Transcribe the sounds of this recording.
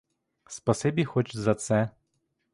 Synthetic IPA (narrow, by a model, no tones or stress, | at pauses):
spɐsɛbʲixɔt͡ʃzɐt̪sɛ